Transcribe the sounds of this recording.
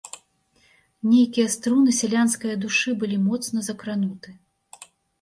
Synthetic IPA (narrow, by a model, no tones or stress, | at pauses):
nʲejkʲijɐst̪ɾunɨsʲɛlʲanskɐjɐd̪uʂɨbɨlʲimɔt̪snɐzɐkɾanut̪ɨ